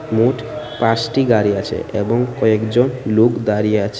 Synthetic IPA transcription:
moʈʰ | pãsʈiɡaɾiat͡ʃʰḛʔebɔŋkɔekd͡ʒɔnlukd̪aɾieat͡ʃʰ

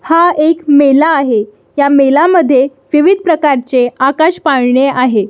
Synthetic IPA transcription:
haekmelaːɦe | jamelaməd̪ʱːje | ʋiʋid̪̚ʱpɾəkaɾt͡seakaɕpaɽɳeaɦe

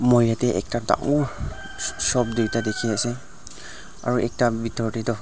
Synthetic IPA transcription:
mojatɛʔɛ̰k̚tada̰ŋɔɹ | sɔb̚deɹtadekʰiasɛ | a̰ɹuʔɛk̚tabitɔɹtitɔ

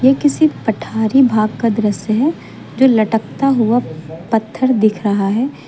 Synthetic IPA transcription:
jekɪsipɐʈʰaːɾibʱaːɡ̚kad̪ɾəsɦɛ | d͡ʒoːlɐʈək̚t̪aɦʊapɐt̪ʰːəɾd̪ɪkʰɾɐɦaɦɛː

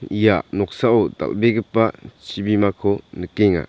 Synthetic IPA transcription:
ijanɔk̚saɔd̪a̰lbeɡɯpːat͡ʃʰibimakʰɔnəkeŋa̰

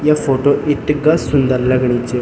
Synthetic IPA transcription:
jafoʈoʔiʈːɡəsːund̪əɾləɡɳit͡ɕe

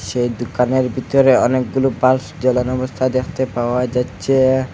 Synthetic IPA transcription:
ʃejd̪ukaneɾbʱit̪oɾeɔnek̚ɡulobalsd͡ʑɔlanɔbost̪ʰad̪ekʰt̪epaoad͡ʑatːɕʰe

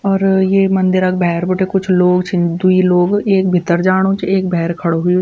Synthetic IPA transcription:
ɔːɾjeːmɐ̃nd̪ɪɾakbɛɦɾbɪʈekʊt͡ʃʰloːɡt͡ʃʰĩd̪uiloːɡeːk̚bʱɪt̪ːəɾd͡ʒaːɽ̃ot͡ʃʰeːkbʱɛɦɾkʰɐɽoɦʊio

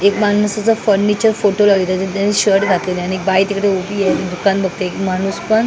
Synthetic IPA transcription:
ekmannəsat͡safəɾnit͡ɕəɾfoʈolaʋit̪at̪et̪aniɕəɽɡʱat̪et̪janiek̚bajt̪ikɽeubijet̪d̪ukãnbʱəɡ̚t̪eekmaɽ̃uːspəɳ

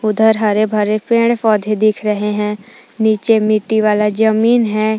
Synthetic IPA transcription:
ʊd̪ʱəɾɦəɾebʱəɾepẽːɽpɔːd̪ʱed̪ɪkʰɾəɦeɦɛ̃ːniːt͡ʃemɪʈːiʋaːlad͡ʒəmiːnɦɛː

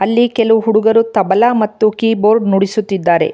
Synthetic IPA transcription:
ɐlːikɛluɦuɽuɡɐɾut̪ɐbɐlamɐt̪ːukiːboːɾɖnuɽisut̪ːid̪ːaːɾe̞̰

